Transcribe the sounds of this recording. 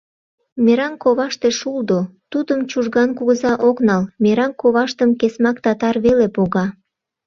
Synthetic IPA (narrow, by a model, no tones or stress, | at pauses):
meɾɑnkoβɑʃt̪eʃuld̪ot̪ud̪əmt͡ɕuʒɣɑnkuɣəzɑʔoknɑlmeɾɑnkoβɑʃt̪əmkesmɑkt̪ɑt̪ɑrβelepoɣɑ